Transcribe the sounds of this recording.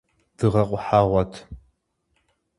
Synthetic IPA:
d̥ɨʁɐqʷʼʊħaːʁʷɐtʰ

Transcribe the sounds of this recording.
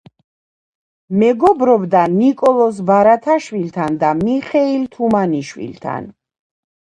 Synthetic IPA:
mɛɡɔbɾɔbd̪anikʼɔlˠɔs̬baɾat̪ʰaʃwilt̪ʰand̪amiχɛilt̪ʰumaniʃwḭlt̪ʰa̰n

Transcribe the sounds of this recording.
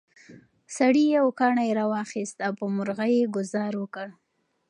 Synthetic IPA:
saɽijawkɑɳajeɾɑwɑxist̪awpəmʊɾɣajeɡʊzɑɾwəkəɽ

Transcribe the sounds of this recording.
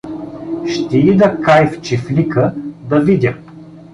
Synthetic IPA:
ʃt̪ɛid̪ɐkajft͡ʃiflʲikəd̪ɐvid̪ʲə

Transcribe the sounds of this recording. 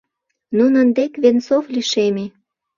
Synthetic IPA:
nunənd̪ekβensofliʃeme

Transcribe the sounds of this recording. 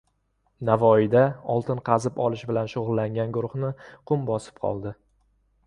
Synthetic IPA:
navɒid̪aɒlˠt̪ʰɪnqʰɑzɪpɒlˠɪʃbɪlanʃʊʁʊlˠːaŋʲanɡʊɾʊχnɪqʰʊmbɒsɪ̥p̚qʰɒ̰lˠd̪ɪ

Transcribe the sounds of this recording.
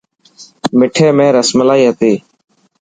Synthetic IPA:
mɪʈʰeːmẽːɾəsmlaːiːɦət̪eː

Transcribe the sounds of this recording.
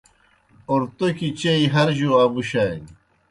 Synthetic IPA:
oɾt̪okit͡ɕeiɦɐɾʑuabuɕajn

